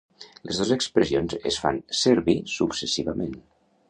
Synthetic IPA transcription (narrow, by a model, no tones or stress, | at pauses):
ləzðozəkspɾəzionzə̰sfa̰nsəɾβisuksəsiβəmen